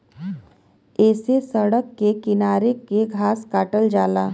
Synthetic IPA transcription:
ɛːsesəɽəkːekɪnaːɾekeɡʱaːskaːʈəld͡ʒaːlaː

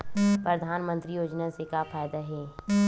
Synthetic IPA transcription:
pɾəd̪ʱaːnmə̃nt̪ɾijoːd͡ʒnasekapʰaːjd̪aɦɛː

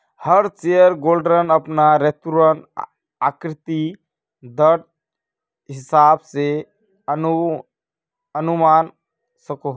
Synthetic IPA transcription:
həɾt͡ʃejəɾɡolɖɾənəpnaɾet̪uɾən | akɾɪt̪i | d̪əʈ̚ | ɦɪsaːbse | ənumaːn | səko

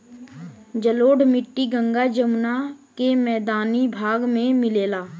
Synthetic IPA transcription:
d͡ʒəloːɖmɪʈːiɡə̃ŋɡad͡ʒəmnakemɛːd̪aːnibʱaːɡmẽmɪleːlaː

